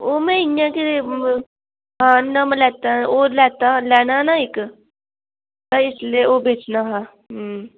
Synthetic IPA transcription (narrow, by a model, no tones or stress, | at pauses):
omɛ̃ɪjãke | ɦãːnːɐmelɛːt̪aolɛːt̪alɛːnanaɪk | t̪ɐɪslieobʱeːt͡ʃnaɦã | ɦ